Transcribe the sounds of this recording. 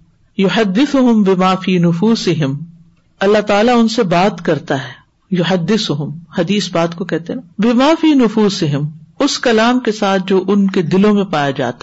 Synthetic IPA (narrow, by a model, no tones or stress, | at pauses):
jʊħɐd̪ːɪsʊɦʊmbɪmaːfiːnʊfuːsɪɦɪm | ɐlːaɦt̪aːlaʊnsebaːt̪kɐɾt̪aɦɛː | jʊħɐd̪ːɪsʊɦʊmhɐd̪iːsbaːt̪kokɛɦt̪eɦbɪmaːfiːnʊfuːsɪɦɪmʊskɐlaːmkesaːt̪̚ʰd͡ʒoːʔʊnked̪ɪlõmẽpaːjad͡ʒa̰ːt̪a